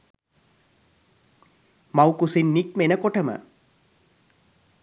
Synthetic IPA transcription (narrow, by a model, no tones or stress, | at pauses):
mawkusinːikmenəkoʈəmə̰